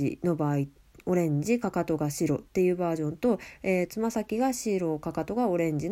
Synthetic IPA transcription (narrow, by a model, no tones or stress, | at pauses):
ḭno̞baːi | o̞ɾẽ̞ɲ̟d͡ʑikakat̪o̞ɡaɕiɾo̞t̪ːe̞jɯ̟ːbaːʑõ̞nt̪o̞eːt͡sɨmasakʲiɡaɕiɾo̞kakat̪o̞ɡao̞ɾẽ̞ɲ̟d͡ʑin